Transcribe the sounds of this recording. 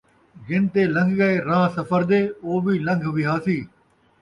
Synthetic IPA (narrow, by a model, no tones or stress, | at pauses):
ɡɪ̃nt̪eːlə̃ŋɡʱɡəeːɾãːsɐfəɾd̪eːoːʋiːlə̃ŋɡʱʋɪɦaːsiː